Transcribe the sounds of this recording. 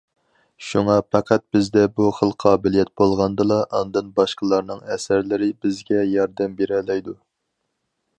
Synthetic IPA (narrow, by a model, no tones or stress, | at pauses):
ʃuŋɑpæqʰæt̪̚b̥ɪzd̪ɛbuχəlˠqʰɑːbɪlijɛt̪̚bolˠʁɑnd̪ɨlˠɑʔɑnd̪ɨnbɑʃqəlˠɑɾnɨŋɛsæɾlɪɾɪbɪzɡʲɛjɑɾd̪ɛmbeɾɛlɛjd̪u